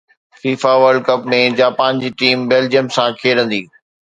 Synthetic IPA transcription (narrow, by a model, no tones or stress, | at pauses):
fiːfaʋəɾɖkɐpmẽd͡ʑaːpaːnd͡ʑiːʈiːmbeːld͡ʑijəmsãkʰeːɾə̃nd̪iː